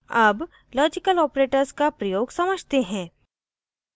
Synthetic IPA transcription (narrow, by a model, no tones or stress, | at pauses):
ɐb | lɔːd͡ʒɪkəlɔːpɾeːʈəɾzkapɾɐjoːɡsɐməd͡ʒʱt̪eɦɛ̃ː